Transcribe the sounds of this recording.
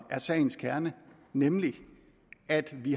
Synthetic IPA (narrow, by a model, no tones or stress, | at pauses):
æɐsɛ̰ɪn̩skʰæɐnə | nemli | æd̥ʋi